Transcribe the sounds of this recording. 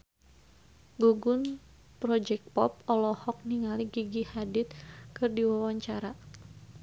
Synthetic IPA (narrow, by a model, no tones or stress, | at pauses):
ɡuɡʊn | pɾɔd͡ʒɛk̚pɔp̚ɔlɔhɔk̚niŋaliɡiɡihadɪt̪̚kɨrdiwawaɲt͡ʃaɾa